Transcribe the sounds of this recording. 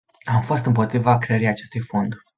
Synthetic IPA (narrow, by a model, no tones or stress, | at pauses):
amfo̞st̪ɨmpo̞t̪ɾivakɾeeɾiat͡ʃe̞st̪ujfo̞nd̪